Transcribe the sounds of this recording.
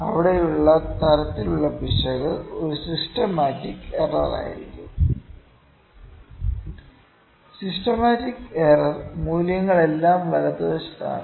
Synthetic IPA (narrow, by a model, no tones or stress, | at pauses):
ɐʋiɽe̞juɭːɐt̪ʰɐɾɐt̪ːiluɭːɐbʱiʂɐɣɐɭo̞ɾusistɐmaːtːikːerɐ̰ra̰ːjḭɾikʲːum | sistɐmaːtikːeːrɐrmuːljɐŋːɐɭe̞lːaːmʋɐlɐd̪oːst̪a̰ːn